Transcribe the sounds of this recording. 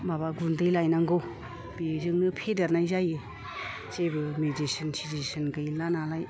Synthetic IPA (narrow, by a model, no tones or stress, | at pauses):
babaɡundɯjlajnaŋɡow | b̥izɯŋnɯpʰedaɾnajzajɯ | t͡ʃebɯmed͡ʒisinsitisɯnɡɯjlanalaj